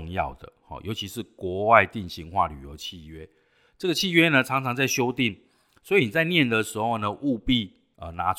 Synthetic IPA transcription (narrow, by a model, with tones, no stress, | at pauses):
ŋjɑ̰˥˨˩ʊd̪ə̰˩hɔ̰˨˩jʔo˧˥ʊt͡ɕʰi˧˥ʂɻ̩˥˩˨kwɔ˨˧˥wa˥˧ɪt̪i˥˨nɕi˧˥ŋxwa̰˥˨ly̰˨˩jo˧˦ʊt͡ɕʰi˥˨ɥɛ˦ | ʈ͡ʂɤ˥˩ɡə˨t͡ɕʰi˥˨ɥɛ˦˥nə˨ʈ͡ʂʰɑ˧˥ŋt͡sʰɑ˧ŋt͡sa˥˩ɪɕjo˥ʊt̪i˥˩ŋ | swɔ˧˦˥i˨˩ni˨˩t͡sa˥˧ɪnjɛ˥˨nd̪ə˩˨ʂɻ̩˧˥xo˥˩ʊnə˨ʔu˥˧pi˥˨ | ə˨˩na˧˥